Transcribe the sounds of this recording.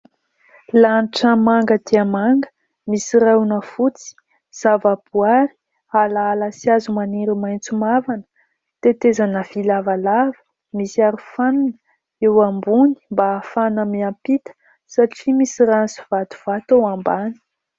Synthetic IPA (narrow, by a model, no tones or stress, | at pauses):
lanʈ͡ʂəmaŋɡəd̪iamaŋɡə̥ | misiranəfut͡si̥ | z̥avab̥uaɾi̥ | alaːlasiazumaneɾimajnt͡sumavanə̥ | t̪et̪ezanəv̥ilavalavə̥ | misiaɾufannə̥ | ewambuni̥mbaːfanəmiampit̪ə̥ | saʈ͡ʂimisiɾansi̥v̥at̪u̥v̥at̪owambani̥